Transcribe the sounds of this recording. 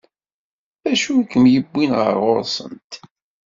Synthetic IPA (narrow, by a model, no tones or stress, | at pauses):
æʃukəmjəbːinʁə̰ɾʁʊɾsˤə̰nt̪